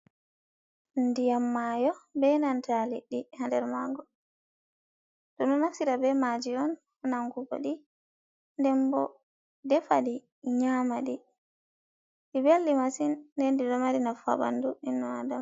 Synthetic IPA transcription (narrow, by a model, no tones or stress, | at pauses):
ndijamːajɔbɛnantʰaliɗihandɛɾmaɡɔ | dɔminafsiɾabɛmad͡ʒiɔn | naŋɡuɡɔ̰ɗi | ndɛmbɔ̰ | dɛfaɗi | ɲamaɗi | ɗibelːimasinːɛndidɔmaɾinafa̰ba̰nduinːɔadam